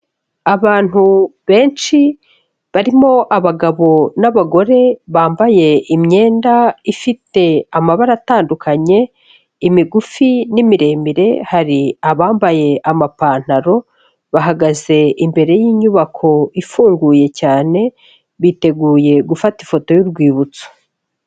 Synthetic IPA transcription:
aβaːn̥huβe̞ːnʃi | βaɾimo̞ʔaβaɡaβo̞naβaɡo̞ɾe̞βaːmbaje̞ʔimɲe̞ːndaifite̞amaβaɾataːndukaɲe̞ | imiɡufinimiɾe̞miɾe̞haɾiaβaːmbaje̞ʔamapaːn̥haɾo̞ | βaɦaɡaze̞ʔimbe̞ɾe̞jiːɲuβakʰo̞ifuːŋɡuːje̞caːne̞ | βite̞ɡuːje̞ɡufatifo̞to̞juɾɡwiːβut͡so̥

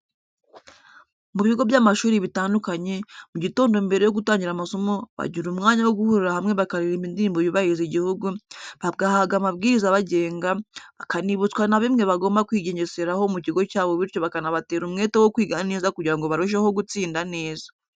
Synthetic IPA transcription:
muβiɡo̞vjaːmaʃuːɾiβitaːndukaɲe̞muɟito̞ːndo̞mbe̞ɾe̞jo̞ɡutaːɲɟiɾamaso̞mo̞βa̰ɟiɾumŋaːɲawo̞ɡuhuɾiɾahamŋe̞βakaɾiɾimindiɾːmboβiβahiɾiziɟihuɡuβaɡahaɡamabɡiːɾizaβaɟe̞ːŋɡaβakaniβut͡skwanaβimŋe̞βaɡo̞ːmbakwiːɟe̞ɲe̞se̞ɾaho̞muciɡo̞caːβo̞βiɾco̞βakanaβate̞ːɾumŋe̞ːtewo̞kwiːɡaane̞ːzakuɟiɾaŋɡo̞βaɾuʃ̬eho̞ɡut͡siːndane̞ːza

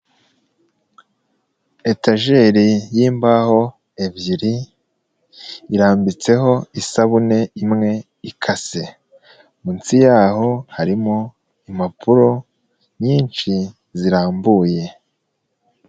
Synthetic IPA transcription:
e̞taʒe̞ɾijiːmbaho̞ | evjiɾi | ɾaːmbit͡se̞ɦo̞isaβune̞imŋe̞ | ikʰase̞ | munt͡sijaːɦo̞haɾimo | imapʰuɾo̞ | ɲiːnt͡ʃi | ziɾaːmbuːje̞

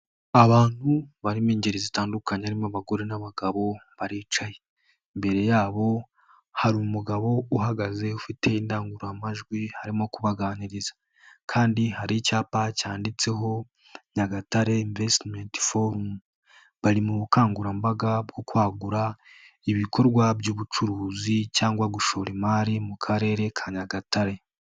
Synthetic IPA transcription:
aβaːn̥huβaɾimiːɲɟeɾizitaːndukaɲeaɾimaβaɡoɾenaβaɡaβo̞βaɾiːt͡ʃaje | mbe̞ɾe̞jaːβo̞ | haɾumuɡaβo̞uɦaɡaze̞ufite̞indaːŋɡuɾoamaʒɡwihaɾimo̞kuβaɡaːniɾizḁ | kʰaːndihaɾicaːpacaːndit͡se̞ɦo̞ | ɲaɡataɾe̞iɱvestmentfoɾum | βaɾimuβukaːŋɡuɾambaɡabɡo̞kwaːɡuɾa | iβikʰo̞ɾɡwabjuːβut͡ʃuɾuːzicaːŋɡwaɡuʃo̞ɾimaːɾimukʰaɾe̞ːɾe̞kʰaɲaɡataɾe̞

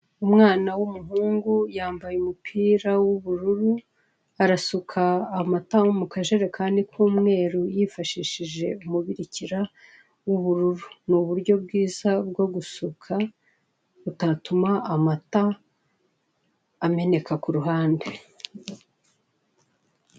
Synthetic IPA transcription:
umŋaːnawumuɦuːŋɡujaːmbajumupʰiːɾawuβuɾuɾu | aɾasukʰaːmatawomukaʒe̞ɾe̞kʰaːndikʰuːmŋe̞ːɾujifaʃiʃiʒe̞umuβiɾiciɾa | wuβuɾuɾunuβuɾɟo̞bɡiːzabɡo̞ɡusukʰa | utatumaːmata | me̞ne̞kakuɾuɦaːnde

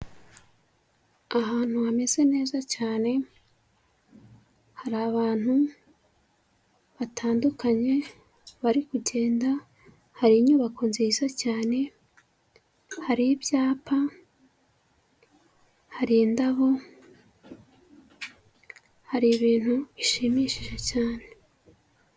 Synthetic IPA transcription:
aɦaːnhuhame̞z̥e̞ne̞ːzacaːne̞ | haɾaβaːn̥hu | βatʰaːndukaɲe̞ | βaɾikuɟe̞ːnda | haɾiɲuβakʰonzizacaːne̞ | haɾibjaːpʰa | haɾindaβo̞ | haɾiβiːn̥huiʃimiʃiʒe̞caːne̞

